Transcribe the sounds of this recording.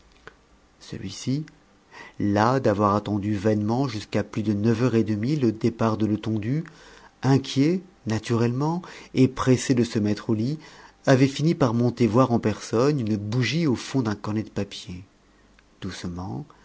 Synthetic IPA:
sə̰lɥḭsi | lad̪avwaʁat̪ɑ̃d̪yvɛnmɑ̃ʒyskaplyd̪ənœvœʁed̪əmilod̪epaʁd̪ələt̪ɔ̃d̪yɛ̃kʲjenat̪yʁɛlmɑ̃epχesed̪əsəmɛt̪χoliavɛfinipaʁmɔ̃t̪evwaʁɑ̃pɛʁsɔnynəbuʒiofɔ̃d̪ɛ̃kɔʁnɛd̪əpapje | d̪̥usmɑ̃

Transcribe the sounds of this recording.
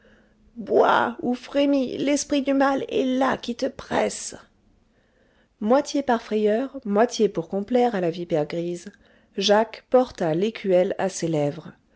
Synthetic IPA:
bwa̰ufχemilɛspχid̪ymalɛ̰lakʲit̪əpχɛ̰s | mwat̪ʰjepaʁfχejœʁmwat̪jepuʁkɔ̃plɛʁalavipɛʁɡʁiz | ʒakpɔʁt̪alekʲʰyɛla̰selɛvʁ

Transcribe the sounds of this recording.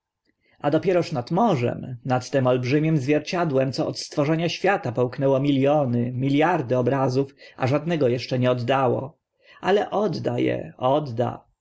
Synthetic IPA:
ʔad̪ɔpʲjɛɾɔʂnat̪mɔʐɛ̰mnat̪ːɛmɔlbʐɘmʲjɘmzvʲjɛɾt͡ɕad̪wɛmt̪sɔɔt̪st̪fɔʐɛɲaɕfʲjat̪apɛwknɛwɔmʲiljɔnɘmʲiljaɾd̪ɘɔbɾazufa̰ʐad̪nɛɡɔjɛʂt͡ʂɛɲɛɔd̪ːawɔ̰ | alɛʔɔd̪ːajɛ̰ɔd̪ːa̰

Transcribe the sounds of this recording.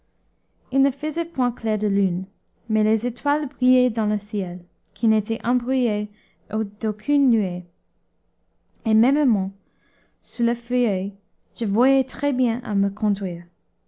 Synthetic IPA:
ilnəfəzɛpwɛ̃klɛʁd̪əlyn | melezetʰwalbʁijed̪ɑ̃ləsjɛl | kʰinet̪ʰɛʔɑ̃bʁyje | od̪̥okʰynːye | emɛ̃məmɑ̃ | suləfəjœj | ʒ̥əvwajɛtχɛbjɛ̃ʔa̰məkʰɔ̃d̪ʁiːʁ

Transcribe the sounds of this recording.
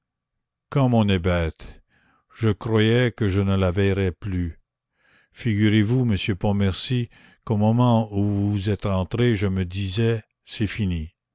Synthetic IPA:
kɑ̃mɔ̃nɛbɛːt̪ | ʒ̥əkrwajɛkəʒənəlavɛjʁɛply | fiɡyʁevuməsjøpɔ̃mɛʁsi | komɔmɑ̃uvuzɛt̪ʁɑ̃t̪ʁeʒəməd̪izɛ | sɛfini

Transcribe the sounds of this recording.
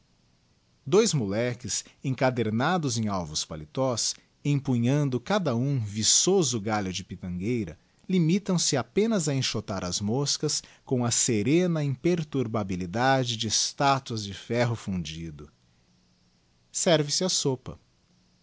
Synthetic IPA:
d̪ojzmulɛkɪsẽŋkad̪eɾnad̪ʊzẽj̃awvʊspalit̪ɔs | ẽpuɲɐ̃nd̪ʊkad̪ɐũvisozʊɡaʎʊd͡ʒɪpit̪ɐ̃ɡejɾɐ̰ | limit̪ɐ̃w̃sɪapẽnɐzɐẽʃot̪aɾʔɐzmoskɐskõɐseɾẽnɐĩpeɾt̪uɾbabilid̪ad͡ʒɪd͡ʒɪst̪at̪uɐzd͡ʒɪfɛɦʊfũd͡ʒid̪ʊ | sɛɾvɪsɪɐsopɐ̰

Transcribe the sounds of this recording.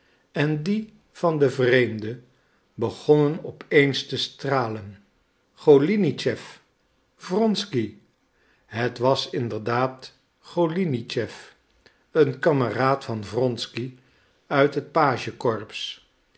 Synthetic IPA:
ɛndi | v̥ɑndəvrejmdə | bəχɔnənɔpejnstəstraːlən | χolinit͡ʃɛf | v̥rɔnski | ɦətʋɑsɪndəɹdaːt | χolinit͡ʃɛf | ənkɑməraːtfɑnvrɔnski | œɥtɦət̚paːʒəkɔɹps

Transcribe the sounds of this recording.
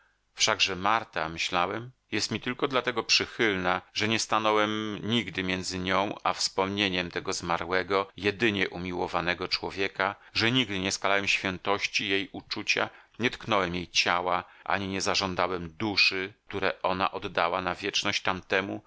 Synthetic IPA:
fʂaɡʐɛmaɾt̪amɘɕlawɛm | jɛst̪mʲit̪ɘlkɔd̪lat̪ɛɡɔpʂɘxɘlnaʐɛɲɛst̪anɔwɛmɲiɡd̪ɘmʲjɛnd̪zɘɲɔ̃w̃afspɔmɲeɲɛmt̪ɛɡɔzmaɾwɛɡɔjɛd̪ɘɲɛʔumʲiwɔvanɛɡɔt͡ʂwɔvʲjɛka | ʐɛɲiɡd̪ɘɲɛskalawɛmɕfʲjɛnt̪ɔɕt͡ɕijejʔut͡ʂut͡ɕa̰ | ɲɛt̪knɔwɛmjejt͡ɕawaʔa̰ɲiɲɛzaʐɔnd̪awɛmd̪uʂɘk̚t̪uɾɛʔɔna̰ʔɔd̪ːawanavʲjɛt͡ʂnɔɕt͡ɕt̪amt̪ɛmu

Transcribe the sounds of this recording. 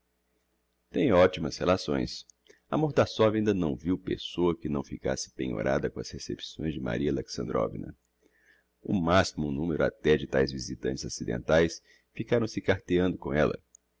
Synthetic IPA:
t̪ẽj̃ɔt͡ʃimɐshelasõ̰j̃s | ɐ̰moɾt̪asɔvɐĩnd̪ɐnɐ̃w̃viwpḛsoɐkɪnɐ̃w̃fika̰sɪ̥pẽɲo̰ɾad̪ɐkõɐshesepsõj̃zd͡ʒɪma̰ɾiɐleksɐ̃nd̪ɾɔ̰vḭnɐ̰ | ʊmasimʊunũmeɾʊa̰t̪ɛd͡ʒɪt̪ajzvizit̪ɐ̃nt͡ʃɪzasid̪ḛ̃nt̪ajs | fikaɾɐ̃w̃sɪkaɾt̪eɐ̃nd̪ʊkõɛlɐ̰

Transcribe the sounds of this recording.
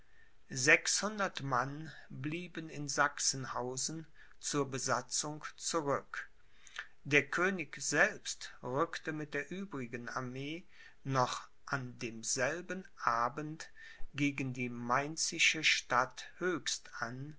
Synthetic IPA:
zɛkshʊndɐtmanbliːbənɪnzaksn̩haʊzn̩ | t͡suːɐbəzat͡sʊŋt͡suʁʏk | d̥eːɐkʰøːnɪçz̥ɛlpstʁʏktəmɪt̚d̥eːɐʔyːbʁɪɡənaɐmeː | nɔχ | ʔandeːmzɛlbənʔaːbənt | ɡ̥eːɡəndiːmaɪnt͡sɪʃəʃtathøːçstan

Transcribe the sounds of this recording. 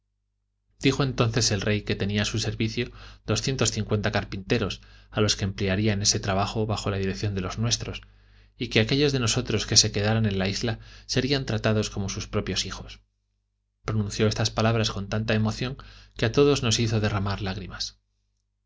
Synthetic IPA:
d̪̥ixo̞ent̪o̞nθe̞se̞lre̞jke̞t̪e̞niasuse̞ɾβiθjo̞ðo̞sθjent̪o̞sθiŋkwe̞nt̪akaɾpint̪e̞ɾo̞salo̞ske̞ːmpleaɾiane̞se̞t̪ɾaβaxo̞βaxo̞laðiɾe̞kθjo̞nd̪e̞lo̞znwe̞st̪ɾo̞s | ike̞ake̞ʎo̞zðe̞no̞so̞t̪ɾo̞ske̞se̞ke̞ðaɾanẽ̞nlaizlase̞ɾiant̪ɾat̪að̞o̞sko̞mo̞suspɾo̞pjo̞sixo̞s | pɾonũnθjo̞e̞st̪aspalaβɾasko̞nt̪ant̪ae̞mo̞θjo̞ŋke̞at̪o̞ð̞o̞zno̞siθo̞ðe̞ramaɾlaɣ̞ɾimas

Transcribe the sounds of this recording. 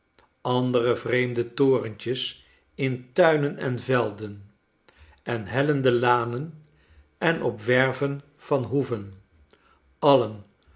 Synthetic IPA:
ɑndərəvrejmdətoːrəncəs | ɪntœɥnənɛ̰nvɛlˠdən | ʔɛnɦɛləndəlaːnən | ɛnɔpʋɛɹvən | v̥ɑnɦuvən | ɑlən

